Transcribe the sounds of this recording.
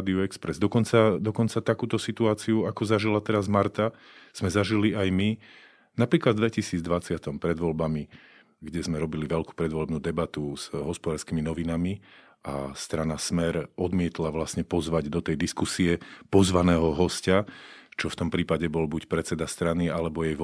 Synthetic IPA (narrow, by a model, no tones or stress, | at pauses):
d̪iuɛkspɾɛzd̪ɔkɔnt͡sad̪ɔkɔnt͡sat̪akuːt̪ɔsit̪uaːt͡siuakɔzaʒilat̪ɛɾazmaɾt̪a | z̥mɛzaʒiliajmi | napɾiːklad̪vd̪ʋɛcisiːd͡zd̪ʋat͡sɪat̪ɔmpɾɛd̪ʋɔlbami | ɡɟɛzmɛɾɔbiliʋɛlku̥pɾɛd̪ʋɔlɛbnuːd̪ɛbat̪uz̥ɦɔspɔd̪aːɾskiminɔʋinami | a̰st̪ɾanasmɛɾɔd̪mɪɛt̪laʋlasɲɛpɔzʋaɟd̪ɔt̪ɛjd̪iskusiɛpɔzʋanɛːɦɔɦɔscat͡ʃɔft̪ɔmpɾiːpaɟɛbɔlbucpɾɛt͡sɛd̪ast̪ɾanialɛbɔjɛjʋ